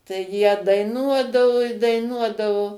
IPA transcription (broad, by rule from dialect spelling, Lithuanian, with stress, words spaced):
tɐɪ ˈjiɛ dɐɪˈnuɔdɐʋʊ ɪ dɐɪˈnuɔdɐʋʊ